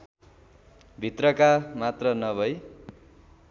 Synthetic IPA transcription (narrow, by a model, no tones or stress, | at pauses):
bʱit̪rʌkamat̪rʌnʌbʱʌj